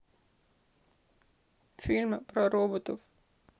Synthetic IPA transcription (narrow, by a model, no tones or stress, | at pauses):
filʲmpɾɔɾoːbot̪of